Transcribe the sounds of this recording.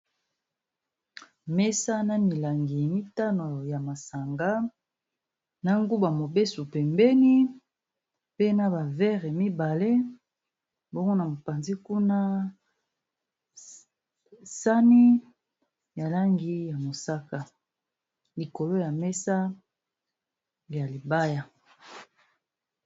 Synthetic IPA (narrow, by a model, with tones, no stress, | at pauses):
mɛ˦sa˦na˦mi˨la˨ŋɡi˨mi˦ta˦no˨ja˨ma˨sa˨ŋɡa˦ | na˦ŋɡu˦ba˨mo˨be˦su˨pɛ˨mbɛ˦ni˦ | pe˦na˦ba˨vɛ˦ʁe˨mi˦ba˨le˦ | bo˦ŋɡo˦na˨mo˨pa˨nzi˦ku˦na˦ | sa˦ni˦ | ja˨la˦ŋɡi˦ja˨mo˨sa˦ka˨ | li˨ko˨lo˦ja˨mɛ˦sa˦ | lja˨li˨ba˦ja˨